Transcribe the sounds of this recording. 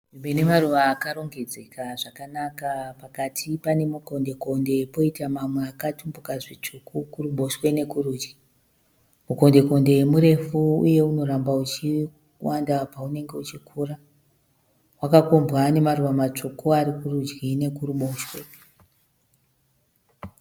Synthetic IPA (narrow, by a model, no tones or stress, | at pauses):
imwenemaruʋaːkaɾo̞ŋɡe̞d͡zekʰaʐakanakapakatʰipane̞muko̞nde̞ko̞nde̞po̞itamamweakatumbukaʐit͡ʂukukuruɓo̞ʃwe̞ne̞kuruːd͡ʒɡi̥ | muko̞nde̞ko̞nde̞jemuɾe̞fuṵje̞uno̞ɾambaut͡ʃi | wandapaune̞ŋɡe̞ut͡ʃikʰuːra | wakakombwane̞maruʋamat͡ʂokoaɾikurud͡ʒɡine̞kuɾuɓo̞ʃwe